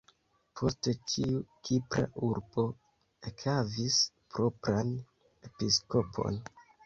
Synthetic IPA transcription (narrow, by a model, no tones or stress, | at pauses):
pʰo̞stetiukʰipɾa̰ʔuɾb̥o̞ | ekhavis | pɾo̞pɾan | e̞pisko̞pʰo̞̰n